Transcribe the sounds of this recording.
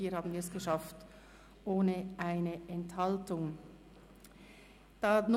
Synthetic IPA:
iːhaːbn̩viɛsɡ̥əʃaft | ʔoːnəʔaɪnəʔɛnthaltʊŋ | d̥aːn

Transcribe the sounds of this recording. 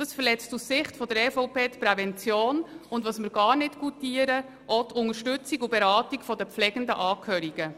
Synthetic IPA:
d̥ɑsfəɾlɛt͡stussɪχtfɔdəɾɛfɔʊpeːt̪pɾɛvɛnt͡sjoːnʊndʋɑsməɾɡɑːɾnɪtkutiəɾə | ʔɔt̪ʰʊŋəɾʃtʏt͡siɡubɛɾɑːtikfɔdəpflɛɡ̥əndəʔɑːkʰœːɾiɡ̥ə

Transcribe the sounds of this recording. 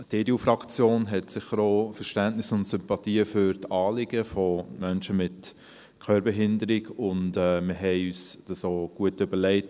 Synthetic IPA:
d̥edeufɾɑkt͡sjoːnɦɛtsɪχəɾoːfəɾʃtæntnɪsʊntsʏmpɑtiːəfʏɾtɑːlɪɡ̥əfɔmœnʃəmɪt | kʰœːbəɦɪndəɾɪɡʊndɛːməɦɛɪyːsd̥ɑsoːɡ̥uətøbəlɛɪt

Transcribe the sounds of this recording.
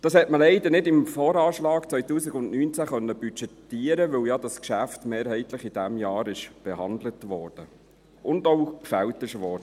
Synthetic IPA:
d̥ɑshɛtməlɛɪd̪ənɪdɪmfoːɾɑːʃlɑːkt͡sʋœjtuːsɪɡʊndnyːnt͡sæχœnːəbyt͡ʃɛtiːəɾəʋɵljɑd̥ɑskʃæftmeːɾhɛɪt̪lɪχid̥ɛmjɑːɾɪʃb̥ɛhɑnd̪lətʋɔːrd̥ə | ʔʊndoʊkfæwtɪʃʋɔːɾd̥ə

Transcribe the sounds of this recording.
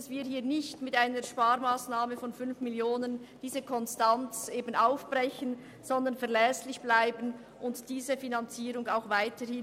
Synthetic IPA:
sv̥iːɦiːɐnɪçtmɪtaɪnəɾʃpaːɾmaːsnaːməfɔnfʏnfmɪljoːnənd̥iːzəkʰɔnstant͡seːbn̩aʊfb̥rɛçən | z̥ɔndənfɛɐlɛslɪçb̥laɪbən | ʔʊntd̥iːzəfinant͡siːɾʊŋaʊxvaɪtəhɪn

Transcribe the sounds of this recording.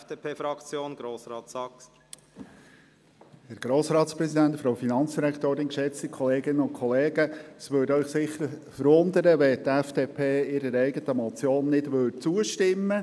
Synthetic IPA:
d̥epʰeːfɾɑkt͡sjoːnɡ̥ɾoːsɾɑːtsɑks | hɛɾɡ̥ɾoːsɾɑːtspɾɛsidæntfɾoʊfinɑnt͡sd̥iɾækt̪oːɾɪnkʃɛt͡stikʰɔleːɡɪnənʊnkʰχɔleːɡ̥əsʋøːdœʏχsɪχːəɾfəɾʋʊnd̪əɾəʋɛtɛfd̥eːpʰeːɪɾəɾɛɪɡətəmɔt͡sjoːnːɪdʋʏt͡suəʃtɪmːə

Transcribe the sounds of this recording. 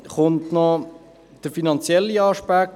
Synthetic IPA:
χʊntnɔ | d̥əɾfinɑnt͡sjɛlːiɑʃpak̚t

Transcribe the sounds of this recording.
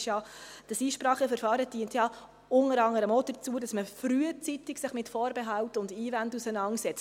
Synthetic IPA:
ʃjɑd̥əsiːʃpɾɑːχəfəɾfɑːɾətiəntjɑ | ʊŋəɾɑŋəɾəmod̥ət͡suədɑsməfɾyət͡sitɪksɪχmɪtfɔːɾbɛɦɑwtʊndiːvændusənɑŋsɛt͡s

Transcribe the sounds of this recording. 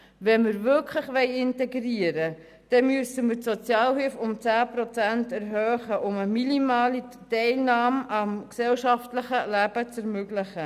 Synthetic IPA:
vɛnməɾvʏɾkʰləχʋɛɪɪntɛɡɾiəɾə | d̥ɛmyəsəməɾtsɔt͡sjɑːlhɪlfʊmt͡sæːpɾɔt͡sæntɛɾɦœːχəʔʊməminimɑːli | tɛɪlnɑːmɑmksɛlʃɑftləχəlæb̥ət͡sɛɾmøɡlɪχə

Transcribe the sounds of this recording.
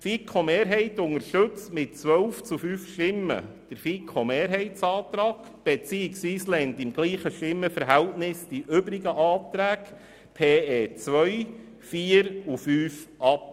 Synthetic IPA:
fikʰomeːɾɦɛɪtʊŋəɾʃtɵt͡stmɪt̚t͡sʋœlft͡sufyːfʃtɪmːə̰d̥əɾfikʰomeːɾɦɛɪtsɑːt̪ɾɑːɡ̥ | b̥ɛt͡siːɪksʋiːslɛntɪmɡ̥liːχəʃtɪmːəfəɾɦæltnɪsd̥iʔʏbɾɪɡəʔɑːtɾæːk | pʰeːeːt͡sʋœʏ | fiːəɾufyːfʔɑp

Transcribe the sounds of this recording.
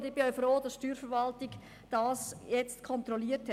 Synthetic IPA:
dɪb̥ɪœʊfroːd̥ɑsʃtyːɾfəɾʋɑltɪɡ | d̥ɑːsjɛt͡stkʰɔnt̪ɾɔliːəthɛ

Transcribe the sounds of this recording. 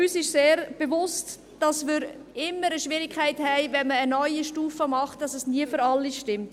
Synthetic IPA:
yːsɪʃseːɾb̥evʊst | d̥ɑsmɪɾ | ɪmːəɾəʃʋɪɾɪkʰχæɪthɛɪvɛnməːnœʏiʃtuːfəmɑχtd̥ɑsɛsniəfyɾɑlːiʃtɪmt

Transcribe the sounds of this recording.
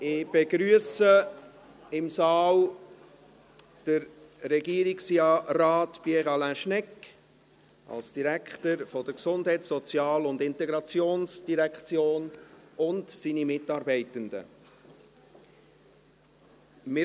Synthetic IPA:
ɪb̥ɛɡɾyəsə | ɪmsɑːl | d̥əɾː | ɛɡiːəɾiksjɑːrɑːtpiɛʁɑlæ̃ʃnɛkː | ɑ̰lsd̥iɾækʰχtəɾfɔd̥əɾksʊndɦɛɪtsɔt͡sjɑːlʊndɪntɛɡɾɑt͡sjoːnsd̥iɾækχt͡sjoːnʊntsiːnimɪtɑːɾbɛɪtəndə̰ | mɪ

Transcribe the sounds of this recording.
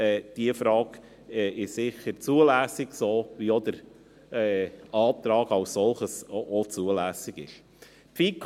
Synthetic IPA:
ɛːd̥iəfɾɑːɡ | ɛɪʃsɪxəɾt͡suəlæːsɪɡsoːʋiɔd̪əɾ | ɛːɑːt̪ɾɑːɡɑʊssɔlχəsot͡suəlæːsɪɡ̥ɪ̰ʃ | pfiːkʰ

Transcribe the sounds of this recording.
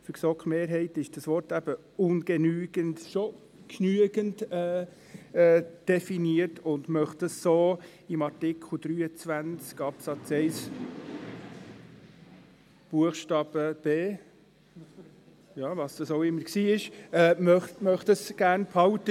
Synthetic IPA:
fʏɾsɔkχmeːɾɦɛɪtɪʃd̥ɑsʋɔrtæb̥ə | ʊnɡ̥ɛnyːɡ̥əntʃo | kʰnyəɡ̥əntɛː | ɛd̥ɛfiniəɾtʊndmœχtdəsːoː | ɪmɑɾtɪkʰχl̩d̥̪ɾyːət͡sʋænt͡skɑpsɑt͡sɛɪs | b̥uəχʃtɑːb̥əb̥eː | jɑːvɑsd̥ɑsoʊɪmːəksiːɪʃɛːmœχtmœχtəsɡ̥æɾnpʰhɑwtə

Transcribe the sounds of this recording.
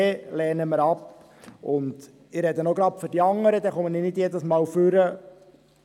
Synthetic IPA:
lɛːnəməɾɑp | ʊnd̪ | ɪɾɛd̪ənoɡɾɑpføɾdiɑŋːəɾəd̪ɛχɔmənɪnɪd̪jɛd̪əsmɑːlfʉɾə

